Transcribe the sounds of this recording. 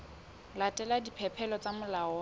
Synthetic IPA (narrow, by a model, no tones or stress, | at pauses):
latʼɛladipʰɛpʰɛlɔt͡samʊlaɔ